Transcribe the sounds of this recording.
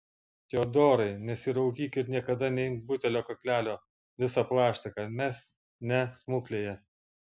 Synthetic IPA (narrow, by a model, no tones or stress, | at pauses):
t̪ʲoːd̪oːɾɐɪnʲɛsʲɪɾɐʊkʲiːkʲɪɾnʲiɛkɐd̪ɐnʲɛɪŋt̪̚bʊt̪ʲɛlʲoːkɐkʲlʲæːlʲoː | ʋʲɪsɑplˠɑːʃʲt̪ʲɐkɑmʲɛs | nʲɛsmʊklʲeːjɛ